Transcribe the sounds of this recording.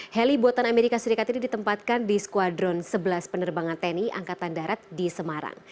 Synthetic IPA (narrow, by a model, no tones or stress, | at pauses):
hɛlibuat̪anameɾikasəɾikat̪inidit̪əmpat̪̚kandiskuadɾɔnsəbəlaspənərbaŋant̪ɛniʔa̰ŋkat̪andaɾat̪̚disəmaɾa̰ŋ